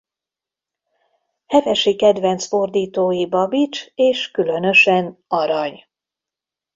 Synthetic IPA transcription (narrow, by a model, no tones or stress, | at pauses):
hɛvɛʃikɛd̪vɛnt̪sfo̞rd̪iːt̪oːjibɒbit͡ʃeːʃkylø̞nø̞ʃɛnɒɾɒɲ